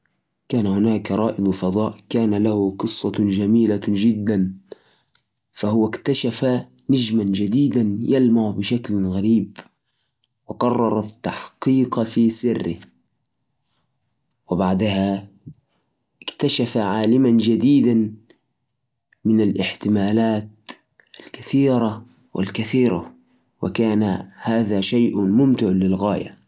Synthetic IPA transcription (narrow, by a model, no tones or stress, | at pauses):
kaːnahʊnaːkɾˤɑːʔɪd̪ˤfɑd̪ˤɑːʔkaːnalahʊqɨsˤːɑd͡ʒamiːlad͡ʒɪd̪ːan | fahʊwakt̪aʃafa | nad͡ʒmand͡ʒad̪iːd̪anjalmaʕbɪʃaklɣaɾiːb | wɪqɑrˤːɑɾˤɑt̪ːaħqiːqfiːsɪrːɪh | wɪbaʕd̪aɦa | ɪkt̪aʃafaʕaːlɪmand͡ʒad̪iːd̪an | mɪnalʔɪħt̪ɪmaːlaːt̪̚ | ʔalkaθiːɾa | wɪ̰lkaθiːɾa̰ | wɪ̰kaːnahaːðaʃajʔʊmʊmt̪ɪʕlɪlɣaːja̰